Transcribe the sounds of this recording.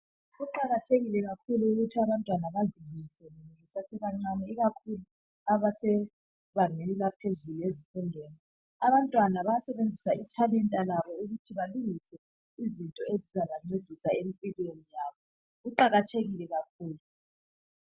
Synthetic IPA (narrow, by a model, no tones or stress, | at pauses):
ɣuǃaɣatʰeɣilɛɣakʰuluuɣutʰiaβantʼwanaβazimisɛnuŋisasɛβaŋ͡ǀanɛiɣakʰulu | aβasɛ | βaŋelilapʰezuliezifundʱɛːni | aβantʼwanaβajasɛβend͡zʱisaitʰalɛntʼalaβɔuɣutʰiβaluɣisɛ | izintʼɔezizaβaŋ͡ǀed̥ʱisaemipʼilwenijaːβɔ | ɣuǃaɣatʰeɣilɛɣakʰuːlu